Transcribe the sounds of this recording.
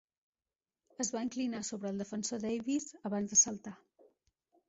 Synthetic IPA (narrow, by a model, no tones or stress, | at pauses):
əzβaiŋklinasoβɾəːlˠd̪əfənsod̪ɛjβizəβanzðəsəlˠt̪a